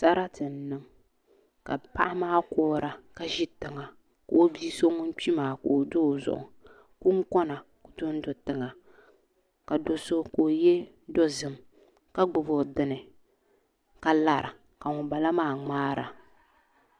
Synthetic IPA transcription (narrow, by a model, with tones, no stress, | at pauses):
sa˦ɾa˦tɨ˨n˨nɨ˦ŋ | ka˨pa˦ʔɪ˦maː˦kɔː˦ɾa˨ka˦ʒi˦tɨ˨ŋa˨ | ka˨o˦bi˦so˦ŋʊ˦n˦k͡pi˦maː˨ko˨o˨do˦˨zʊ̰˨ʔʊ̰˨ | kʊ˦ŋ˦kɔ˦na˨ | kʊ˨tʊ˦n˦do˨tɨ˨ŋa˨ | ka˨do˨so˦koː˨jɛ˦ | dɔ˦zɨ˦m | ka˦ɡ͡bʊ˨bo˨dɨ˨nɨ˨ | ka˦la˨ɾa˨ | ka˨ŋʊ˨ba˨la˦maː˦˨ŋ͡maː˦ɾa̰˨